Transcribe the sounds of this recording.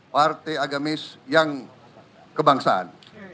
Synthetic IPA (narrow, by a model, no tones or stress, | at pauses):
part̪ɛjaɡamɪsjaŋ | kəbaŋsaʔa̰n